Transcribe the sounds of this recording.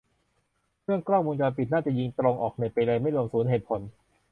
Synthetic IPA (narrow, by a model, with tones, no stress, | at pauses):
kʰɯ˥˩əŋklɔ˥˩muː˧nkaː˧npi˨˩t̪̚naː˥˩t͡ɕa˨˩ji˧ŋt̪ɾo˧ŋʔɔː˨˩k̚na˨˩jpa˧jla˧jma˥˩jlu˧əmsuː˩˦nɦeː˨˩t̪̚pʰo˩˦n